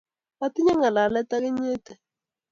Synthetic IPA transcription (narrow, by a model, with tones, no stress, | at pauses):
a˦ti˦ɲa˦ŋa˨la˨lɛ˦t̪a˦ɣɪ˦ɲɪ˦tɛ˨